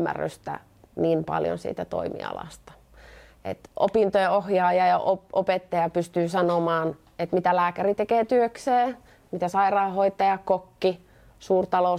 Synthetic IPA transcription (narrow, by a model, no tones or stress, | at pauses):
æ̰rːy̰st̪æ̰ | niːmpɑ̰ljo̰nsḭːt̪æt̪o̰imḭɑ̰lɑ̰st̪ɑ̥ | ḛt̪ʔo̰pint̪ojeohjɑːjɑjɑʔoʔopet̪ːɑjɑpyst̪yːsɑnomɑːn | et̪mit̪ælæːkærit̪ekeːt̪yøkseː | mit̪æsɑirɑːhoit̪ːɑjɑkokːi | suːrt̪ɑlo